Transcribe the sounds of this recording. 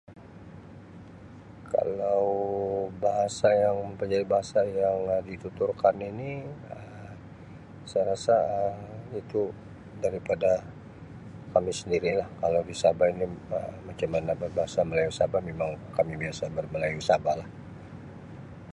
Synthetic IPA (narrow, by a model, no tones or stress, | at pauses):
kʰa̰lawbaɦasajaŋpəd͡ʒadibaɦasajaŋdit̪ut̪ʊrkaniniə | sajɾasaəmit̪u | daɾipada | kamisəndiɾilahkalawdisabainiəmat͡ʃamːanabərbaɦasaməlajusabamemaŋkamibiasabərməlajusabalah